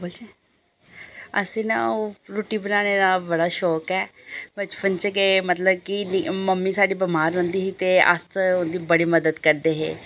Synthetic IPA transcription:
bolt͡ʃe | ə̰sĩːna̰ːoɾoːʈiːbənaːneːd̪aːbəɽaːʃɔːkɛːbət͡ʃpənt͡ʃəkeːmət̪ləb̚kinməmːiːsaːɖiːbəmaːɾɦʊ̃nd̪iːɦiːt̪eːə̰st̪ʊ̃nd̪iːbəɽiːməd̪əd̪kəɾd̪eːɦḛː

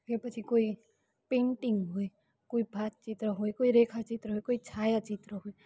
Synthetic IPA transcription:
ɦepət͡ʃʰikoːi | pẽːɳʈɪ̃ŋɡɦoe | koːibʱaːt̪̚t͡ʃɪt̪ɾəɦoekoːiɾeːkʰat͡ʃɪt̪ɾəɦoekoːit͡ʃʰaːjat͡ʃɪt̪ɾəɦoe

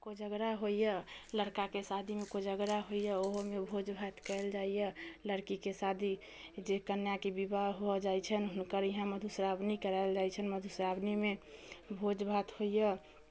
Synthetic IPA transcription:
kod͡ʒəɡɾaɦoijələɾkakesad̪ʱimekod͡ʒəɡɾaɦojjəoɦomebʱod͡ʒbʱat̪kɛld͡ʒaijələɾkikesad̪ʱi | d͡ʒekənjakebibaɦod͡ʒajt͡ʃʰənɦunkəɾiɦãməd̪ʱusɾabnikəɾaɪld͡ʒajt͡ʃʰənməd̪ʱusɾabnimebʱod͡ʒbʱat̪hoijə

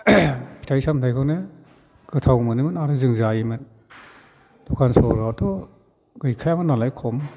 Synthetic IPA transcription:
pʰi̥tʰajsamtʰajkʰɯwnɯ | ɡ̥ɯtʰawmɯnɯmɯnaɾɯzɯŋzajimɯn | d̥ɔkʰansɔ̰ɾatɔ | ɡɯjkʰajamɯnːalajkʰɔm

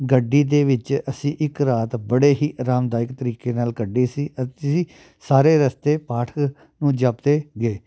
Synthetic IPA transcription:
ɡəɖiːd̪eːʋɪt͡ʃəsĩːʔɪkɾaːt̪bəɽeːiːɾaːmd̪aːɪkt̪əɾiːkeːnaːlkəɖːiːsiːʔət̪siː | saːɾeːɾəst̪eːpaːʈʰək | nũːd͡ʒaːpd̪eːɡeː

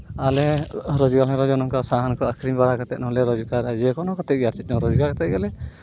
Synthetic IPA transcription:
alɛɾɔd͡ʒɡalɛ̃ɾɔd͡ʒɔnɔŋkasaɦankɔakʰɾimbaɽakat̪ɛ̰t̪̚nɔlɛɾɔd͡ʒukaɾad͡ʒɛkɔnɔkɔt̪ɛt̚ɡɛaɾt͡ʃit̚ˀd͡ʒɔɾɔd͡ʒuɡakɔt̪ɛt̪̚ɡalɛ

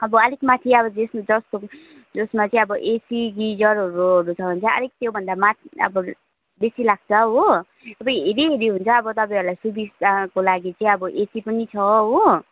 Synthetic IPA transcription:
ʌbʌʌlikmat̪ʰiʌbʌd͡zesmad͡zʌst̪o | d͡zosmat͡sʌĩʌbʌʔesiɡid͡zʌrɦʌɾuɦʌɾut͡sʰʌbʌnt͡sʌʌ̰lik̚t̪jobʱʌnd̪amat̪ʰʌ̰bʌ | besilaɡ̚t͡sʰʌɦo | ʌbʌjɦeɾiɦeɾiɦunt͡sʰʌːbʌt̪ʌpãj̃ʌɾulajsubisakolaɡit͡saĩʌbʌʔesipʌnit͡sʰʌɦo

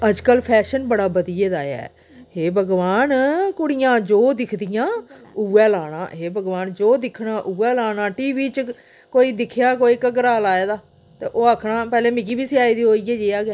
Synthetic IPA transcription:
əd͡ʒkəlpʰɛːʃənbəɽaːbəd̪ijeːd̪aːjɛ̰ː | ɦeːbəɡʋaːnkʊɽɪjãːd͡ʒoːd̪ɪkʰd̪ɪjãːuːɛːlaːɽ̃ã̰ːɦeːbəɡʋaːnd͡ʒoːd̪ɪkʰɽãːʔuːɛːlaːnaːʈiːʋiːt͡ʃ | koːiːd̪ɪkʰjaːkoːiːkəkɾaːlaːeːd̪aː | t̪ḛːʔoːakʰɽaːpɛːlẽːmɪk̬iːbiːsɪaːiːd̪iːɦoːiːɛːd͡ʒeːaːɡɛː

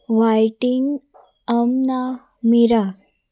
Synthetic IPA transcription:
ʋajʈiŋɡ | əmna | miɾa

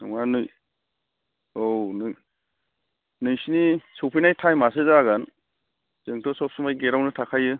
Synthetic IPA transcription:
nɔ̰ŋanɯj | onɯ | nɯjsinisɔpʰinajtʰajmas̬ɯzaɡan | zɯŋtʰɔsɔp̚sumajɡeɾawnɯtʰakʰajɯ

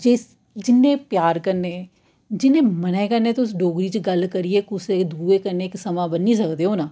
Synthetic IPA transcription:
d͡ʒeːs | d͡ʒɪnːẽːpjaːɾkəɾneː | d͡ʒɪnːẽːmənẽːkəɾneːt̪ʊsɖoːɡɾiːt͡ʃɡəlkəɾieːkʊseːd̪ʱuːeːkəɾneːksəmãːbənːĩs̬əkd̪eːɦoːnaː

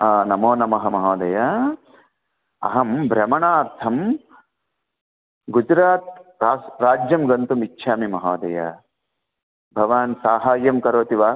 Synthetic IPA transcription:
anɐmoːnɐmɐɦɐmɐɦoːd̪ɐja | ɐ̰ɦɐmbʱɾɐmɐɳaːɾt̪ʰɐm | ɡud͡ʒɾaːt̪̚ɾaːsɾaːd͡ʒjɐmɡɐnt̪umitːʃʰaːmimɐɦaːd̪ɐ̰ja̰ | bʱɐʋaːnsaːɦaːjɐmkɐɾoːt̪iʋaː

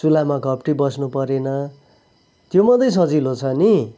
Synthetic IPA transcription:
sulamakʌp̚ʈibʌsnupʌɾenʌ | t̪jomʌd̪ʌjs̬ʌd͡zilot͡sʰʌni

